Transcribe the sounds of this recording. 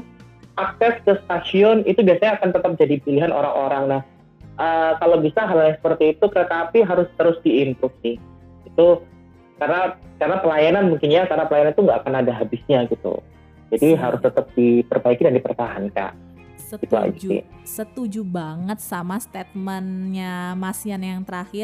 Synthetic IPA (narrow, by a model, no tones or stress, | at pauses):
ʔak̚sɛskəst̪asiɔnit̪ubiasaɲaːkant̪ət̪əp̚d͡ʒadipiliɦanʔo̰ɾa̰ŋʔoɾaŋnah | ʔəkalobisaɦalalɲaŋsə̥pərt̪iːt̪ukəkapiɦaɾʊst̪əɾʊsdiːnt̪ɾʊk̚sɪ | ɡit̪u | karnakarnapəlajananmuŋkɪnɲakarnapəlajananit̪uŋɡaʔakanadaɦabɪsɲaɡit̪ṵ | d͡ʒadiɦaɾʊst̪ət̪əp̚d̥ipərbaikidandipərt̪aɦanka̰ʔ | ɡit̪ua̰ɡiḭsət̪ud͡ʒubaŋət̪̚samast̪et̪̚mɛnɲamasianjaŋt̪əɾaxɪ